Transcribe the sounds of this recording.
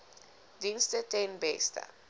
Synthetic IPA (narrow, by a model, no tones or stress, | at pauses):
dĩnstɛtɛnbɛ̰sta̰